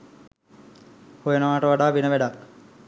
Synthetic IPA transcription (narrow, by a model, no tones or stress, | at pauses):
hojənəʋaːʈəʋaɖaːʋinəʋæɖak